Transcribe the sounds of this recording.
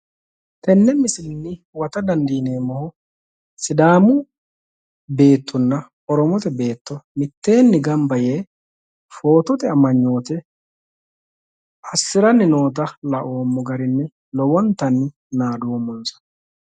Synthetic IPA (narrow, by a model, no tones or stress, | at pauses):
t̪ʰɛnːɛmɪsɪlɪnːɪ | wɐt̪ɐd̪ɐnd̪iːne̞ːmɔhɔ | sɪd̪aːmʊ | be̞ːt̪ːɔnːɐ | ɔɾɔmɔt̪ɛbe̞ːt̪ːɔmɪt̪ːe̞ːnːɪɡɐmbɐje̞ː | fo̞ːt̪ɔt̪ɛɐmɐɲːo̞ːt̪ɛ | ɐsːɪɾɐnːɪno̞ːt̪ɐlɐʔoːmːɔɡɐɾɪnːɛ | lɔwɔnt̪ɐnːɪ | naːd̪uwmːɔnsɐ̥